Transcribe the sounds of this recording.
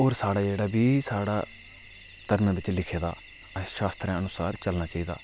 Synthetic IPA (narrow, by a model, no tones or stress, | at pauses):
oːɾsaːɽaːd͡ʒeːɽaːbiːsaːɽa̰ː | t̪əɾmẽːbɪt͡ʃlɪkʰeːd̪a̰ː | ʃaːst̪ɾɛ̃ːənʊsaːɾt͡ʃəlnaːt͡ʃaːiːd̪a̰ː